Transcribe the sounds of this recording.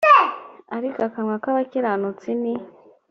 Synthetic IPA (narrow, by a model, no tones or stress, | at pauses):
aɾikakamwakaβakiɾanut͡sini